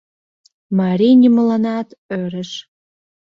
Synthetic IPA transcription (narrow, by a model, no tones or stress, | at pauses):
mɑɾinʲiməlɑnɑt̪øɾə̆ʃ